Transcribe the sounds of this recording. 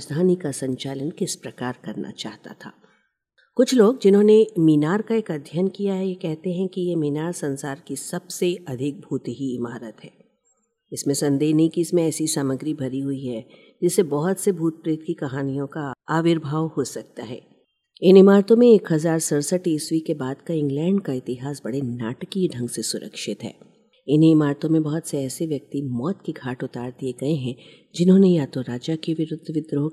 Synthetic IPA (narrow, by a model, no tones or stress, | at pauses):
sd̪ʱaːnikasɐ̃ɲt͡ʃaːlənkɪspɾɐkaːɾkɐɾnʔa̰t͡ʃaːɦt̪a̰t̪ʰa̰ː | kʊt͡ʃʰloːɡd͡ʒɪnɦõnemiːnaːɾkaeːkɐd̪ʱjankijaɦɛjekɛɦt̪eɦɛ̃kijemiːnaːɾsɐ̃nsaːɾkisɐb̥seɐd̪ʱɪk̚bʱuːt̪ɦiɪmaːɾət̪ɦɛː | ɪsmẽsɐ̃nd̪eːɦnɐɦĩkiɪsmẽɛːsisaːməɡɾibʱɐɾiɦuiɦɛ | d͡ʒɪsːebɐɦʊt̪sebʱuːt̪̚pɾeːt̪̚kikɐɦaːnijõkaaːʋɪɾbʱaːʋhosɐk̚t̪aɦɛ̰ː | ɪnɪmaːɾt̪õmẽeːkɦɐzaːɾsɐɾsəʈeːsʋikebaːd̪kaɪ̃ŋɡlɛ̃ːɳɖkaɪt̪ɪɦaːsbɐɽ̤enaːʈkiɖʱɐ̃ŋɡsesʊɾə̰kʃɪt̪ɦɛ̰ː | ɪnɪmaːɾt̪õmẽbɐɦɔt̪seɛːseʋjɐk̚t̪imɔːt̪kiɡʱaːʈʊt̪aːɾd̪ieɡɐeɦɛ̃ | d͡ʒɪnɦõːnejaːt̪oɾaːd͡ʒakeʋɪɾʊd̪ʱːʋɪd̪ʱɾo